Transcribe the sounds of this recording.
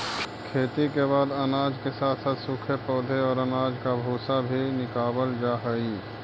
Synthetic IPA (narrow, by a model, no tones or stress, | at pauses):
kʰeːt̪ikebaːd̪ənaːd͡ʒkesaːt̪ʰsaːt̪sʊkʰepɔːd̪ʱeɔːɾənaːd͡ʒkabʱoːsabʱinɪkaːbəld͡ʒaɦəi